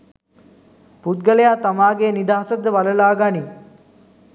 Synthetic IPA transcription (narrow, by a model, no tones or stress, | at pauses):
put̪̚ɡəlejat̪amaːɡenid̪aːɦsɐd̪əʋaləlaːɡani